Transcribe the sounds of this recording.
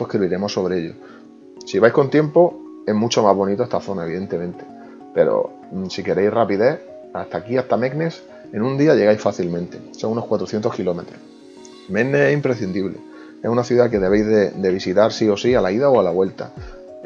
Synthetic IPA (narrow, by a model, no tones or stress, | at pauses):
pwehkɾiβiɾe̞mosːo̞βɾeeʎo̞̰ | siβajhko̞nt̪je̞mpo̞ | e̞mut͡ʃo̞mazβo̞nit̪oest̪aθo̞naeβiðe̞nt̪e̞mẽnt̪e̞ | pe̞̰ɾo̰ | sike̞ɾe̞jhrapiðe | ast̪akiast̪ame̞ɡne̞s | e̞nũnd̪iaʎe̞ɣajsfaθilmẽ̞nt̪e̞so̞ŋuno̞hkwat̪ɾoθjent̪o̞hkilo̞me̞t̪ɾoh | meɡneesimpɾeθind̪iβle̞̰ | esunaθjuðake̞ðe̞βe̞jzðe̞d̪e̞β̞isit̪aɾsio̞sialaiðaoalaβwe̞lt̪a̰